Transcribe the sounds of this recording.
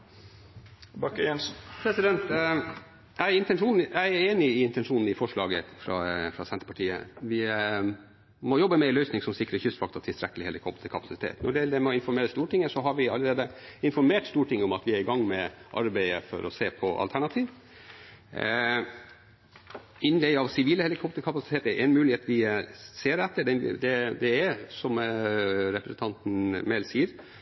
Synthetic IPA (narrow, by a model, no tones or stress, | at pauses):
bɑkːəjɛnsnpʰɾɛsɪd̪ɛnt̪ | jæɪɪnt̪ɛnʂuːn̩jæɪæɾeːnɪɪɪnt̪ɛnʂuːnn̩ɪfɔʂɭɑːɡəfɾɑ̰fɾɑsɛnt̪əpɑʈʰiːə̰ʋɪ | mɔjɔbːəmɛɪlœʏsnɪŋsɔmsɪkɾəçʏst̪fɑk̚t̪ɑt̪ʰɪlst̪ɾɛkːəlɪheːləɾkʰɔbət̪ɪkʰɑpʰɑ̥sɪt̪ʰḛːt̪nʔɔɖɛjɛld̪ɛmɛɔɪnfɔɾmeːɾəst̪uːʈʰɪŋːəsɔɦɑɾʋɪɑləɾeːd̪əɪnfɔɾmeːʈst̪uːʈʰɪŋːəʊmɑt̪ʋɪæɾɪɡɑŋːmɛʔɑ̰ɾbæɪəfɔ̰ɾɔ̰seːpʰɔʔɑ̰lt̪ʰæɳɑt̪ʰiːʋ | ɪnːlɛɪɑʋsɪʋiːləhɛlɪkʰɔp̚t̪əɾkʰɑpɑsɪ̥t̪ʰeːt̪ɛɾʔɛnmʉːlɪheːt̪ʋɪseːɾɛt̪ːəɖɛ̰d̪ɛd̪ɛæsɔm | ɾɛpɾəsən̩t̪ɑnt̪n̩mɛlsiːəɾ